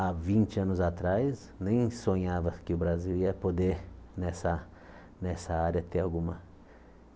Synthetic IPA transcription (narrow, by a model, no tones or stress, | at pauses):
avĩnt͡ʃɪɐ̃nʊzat̪ɾajs | nẽj̃sõɲavɐkɪʊbɾaziliɐpod̪enɛsɐ | nɛsɐaɾɐt̪eɾawɡũmɐ